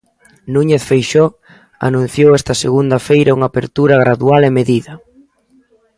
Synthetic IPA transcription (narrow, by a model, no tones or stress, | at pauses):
nũɲeθfejʃɔ | a̰nũn̟θjowɛst̪ɐseɣund̪ɐfejɾɐuŋaːpeɾt̪uɾɐɣɾaðualemeðiðɐ